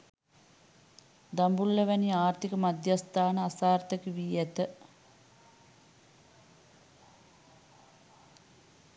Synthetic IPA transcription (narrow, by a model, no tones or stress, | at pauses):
d̪ambulːəʋæniaːɾt̪ikəmad̪jast̪aːnəasaːrt̪əkiʋiːæt̪ə